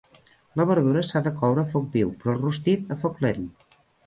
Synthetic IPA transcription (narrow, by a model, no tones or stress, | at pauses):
ləβəɾðuɾəsaðəkɔwɾəfɔk̚biwpɾɔlˠrust̪it̪əfɔklen